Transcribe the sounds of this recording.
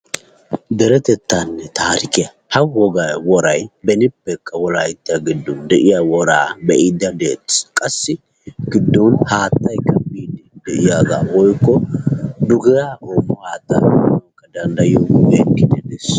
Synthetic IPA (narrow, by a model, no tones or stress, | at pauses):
d̪ɛɾɛt̪ɛt̪ːanːɛt̪aːɾɪkɪjɐ | hɐwɔɡɐwɔɾɐjbɛnɪpːɛkːɐwɔlaːɪt̪ːɪjaɡɪd̪ːɔnd̪ɛʔɪjawɔɾaːbɛʔɪd̪ɐd̪eːt̪ːɪ̥kʼɐsːɪ | ɡɪd̪ːɔnhaːt̪ːɐjkːɐbiːd̪ɛd̪ɛʔɪjaːɡa̰ːwɔjkːɔd̪ʊɡɪjaʔɔmːɔhaːt̪ːɐ̰ɔkːɐd̪ɐnd̪ɐjobekːɪd̪ɛd̪ɛs